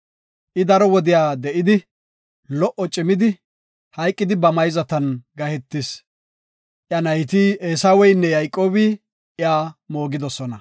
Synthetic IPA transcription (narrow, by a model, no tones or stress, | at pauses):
ʔɪd̪ɐɾɔwɔd̪ɪjaːd̪ɛʔɪd̪ɪ | lɔʔɔt͡ʃʼɪmɪd̪ɪ | hɐjkʼːɪd̪ɪbɐmɐjzɐt̪ɐnɡɐhɛt̪ːɪs | ʔjɐnɐjt̪ieːsawɛjnːɛjɐjkʼːo̞ːbiː | ʔɪaːmo̞ːɡɪd̪ɔsɔnɐ